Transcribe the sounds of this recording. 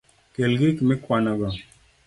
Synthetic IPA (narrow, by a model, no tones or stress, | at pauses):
kelɡikmekwanaɡa